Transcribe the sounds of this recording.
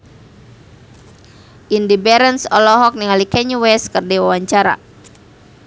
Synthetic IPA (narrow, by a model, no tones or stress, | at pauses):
ʔindibɛɾənsɔlɔɦɔk̚niŋalikɛɲuwɛskərdewawaɲt͡ʃaɾa̰